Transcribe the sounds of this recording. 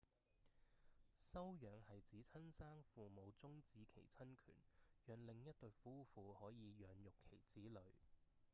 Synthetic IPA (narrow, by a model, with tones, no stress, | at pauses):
sɐ˥wjœː˨˧ŋhɐ˨jt͡siː˨˥t͡sʰɐ˥nsaː˥ŋfuː˨mo˨˧wt͡sʊ˥ŋt͡siː˨˧kʰe˨˩jt͡sʰɐ˥nkʰy̰ː˨˩njœː˨˧ŋlɪ˨ŋjɐ˥t̚t̪ɵ˨˧ɥfuː˥fuː˨˧hɔː˨˥jiː˨˧jœː˨˧ŋjʊ˨kʰːe˨˩jt͡siː˨˥lɵ˨˧ɥ